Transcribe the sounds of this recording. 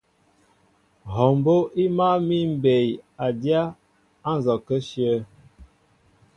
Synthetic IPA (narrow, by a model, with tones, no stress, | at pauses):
ɦɔ˨mbo˦ʔi˦ma˦mi˦m̩˨˦be˨ja˨dja˦ | a˦n˨zɔ˨kə˦ʃjə˦